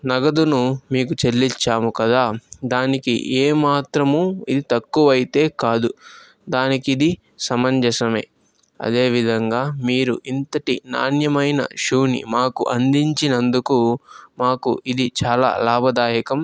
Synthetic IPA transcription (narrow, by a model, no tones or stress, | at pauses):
nɐɡɐd̪unumiːkut͡ʃelːit͡ʃːaːmukɐd̪aːd̪aːnikḭeːmaːt̪ɾɐmuːid̪it̪ɐkːuʋɐjit̪e̞ːkaːd̪u | d̪aːnikid̪i | sɐmɐɲd͡ʒɐsɐme̞̰ː | ɐ̰d̪e̞ːʋid̪ʱɐŋɡaːmiːɾuʔint̪ɐʈina̰ːnjɐmɐjnɐ̰ʃuːnḭmaːkuʔɐnd̪iɲt͡ʃinɐnd̪ukumaːkuid̪it͡ʃaːla̰ːlaːbʱɐd̪aːjɐkɐm